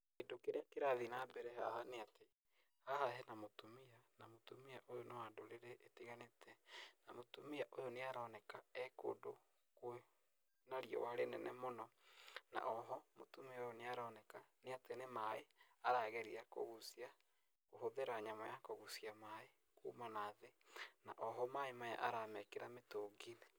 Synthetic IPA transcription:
kedokeɾeakeɾaðinabɛɾɛɦa̰haneate | haɦaɦɛnamotumianamotumiaʔojonaadoɾeɾeʔetiɣanetʰɛnamotumiaʔojoneaɾɔːnɛkaɛko̰ːdo | koe | naɾiɔ̰waɾenɛnɛmonɔna̰ʔɔɦɔmotumeaojoneaɾɔːnɛkaneatenemaeaɾaːɣɛɾiakoɣusia | kohoðeɾaɲamɔjakoɣusiamae | kumanaðenaʔɔɦɔmaemaja̰ʔaɾamɛkeɾametoːɡinɛ

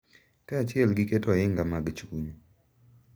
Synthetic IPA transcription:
kɛat͡ʃɪɛlɡɪketɔɪŋɡamaɡt͡ʃuɲ

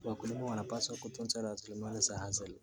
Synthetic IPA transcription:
wakulimawanapaswakutunt͡ʃaɾawasulimanizahazɛl

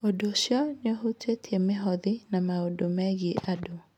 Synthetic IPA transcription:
odoːsjɔnɔɦutwetʰiemeɦɔðinamaodomɛɣieʔado

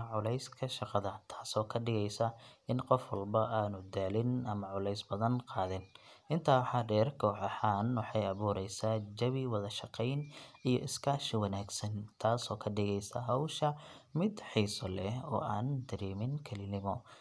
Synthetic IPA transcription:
ʕʊlɛjskʰɐʃɑqɑðɐt̪ʰḁːsɔːkʰɐɖɪɣɛjsɐɪnqɔfwɐlbɐʔaːnʊd̪aːlɪnʔɐmɐʕʊlɛjsbɐðɐnqɑːðɪnʔɪnt̪ʰaːwħɑɖɛːrkʰɔːħɐħaːnwɑħɑjɐβuːɾɛjsaːd͡ʒɐβɪwɑðɐʃɑqɛjnijɔʔɪskʰaːʃɪwɐnaːɡsɐnt̪ʰaːsɔːkʰɐɖɪɣɛjsɐɦɔwʃɐ | mɪd̪ħiːsɔlɛɔ̰ːʔaːnd̪ɐɾiːmɪnkʰɐlɪnɪmɔ

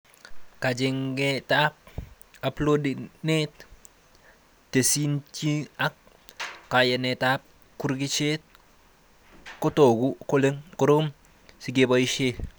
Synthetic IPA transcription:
kad͡ʒiŋɡetap̚ | aplodinet | tesint͡ʃiak̚ | kajenetap̚ | kuɾɡit͡ʃet̚ | kotoɡukuleŋkuɾom | siɡeboiʃe

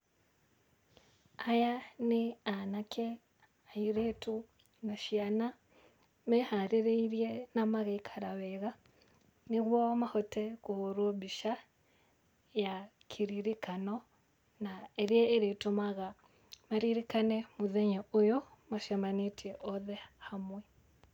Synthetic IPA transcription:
ajaneanakʰɛ | aiɾetu | naʃiana | mɛhaɾeɾeiɾjɛnamaɣaikʰaɾaβɛɣa | neɣwɔmahɔtɛkohoɾwɔbiʃa | ja | kʰiɾiɾikanɔ | naeɾjɛeɾetumaɣa | maɾiɾikanɛmuðɛɲɛʔojɔmaʃamanetiɛʔɔðɛhamwɛ

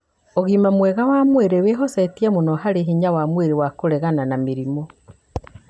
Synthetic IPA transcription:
oɣimamwɛɣawamweɾeweɦɔsatiɛmonɔɦaɾeɦiɲawamweɾewakoɾɛɣananameɾimo

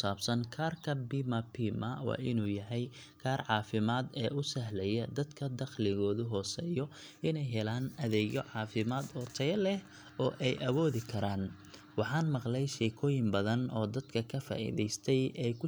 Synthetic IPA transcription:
saːbsɐnkʰaːrkʰɐbimɐpʰimɐwɑ̰ːʔɪnuːjɐɦɛj | kʰaːrʕɑːfɪmaːd̪ɛːʔʊsɐɦlɛjɐd̪ɐd̪kʰɐd̪ɐχlɪɣɔːðʊɦɔːsɛːjɔ | ɪnɛjɦɛlaːnɐðɛːɡjɔʕɑːfɪmaːd̪ɔt̪ʰɐjɛlɛh | ɔːʔɛjʔɐβɔːðɪkʰɐɾaːn | wɑħɑːnmɑqlɛjʃɛːkʰɔːjɪmbɐðɐnɔːd̪ɐd̪̥kʰɐkʰɐfa̰ːʔḭðɛjst̪ʰɛjɛjkʰʊ

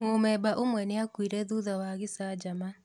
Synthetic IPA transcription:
momɛbaʔomwɛneakwiɾɛðuðawaːɣɪsad͡ʒama

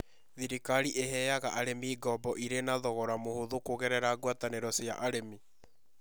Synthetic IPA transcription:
ðiɾikaɾiʔeɦɛjaɣaʔaɾemiːɡɔbɔʔiɾenaðɔɣɔɾamohoðokoɣɛɾɛɾaːɡwataneɾɔsja̰ʔaɾemi

